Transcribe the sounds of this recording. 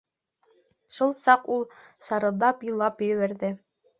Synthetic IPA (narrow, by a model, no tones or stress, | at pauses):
ʃulˠsɑqulˠ | sɑɾɤ̆d̪ɑpilˠɑpjɵ̆βæɾðɘ